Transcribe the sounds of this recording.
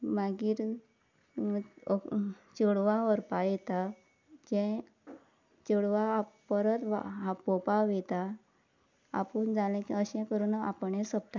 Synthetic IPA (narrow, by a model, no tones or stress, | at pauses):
maɡiːɾ | t͡ɕəɽʋaʋəɾpajet̪a | d͡ʑɛ̃ | t͡ɕəɽʋapəɾət̪ʋa̰ɦapopaʋɛt̪a | a̰pund͡zalɛ̃kiəɕɛ̃kəɾuːnapəɳẽsəp̚t̪a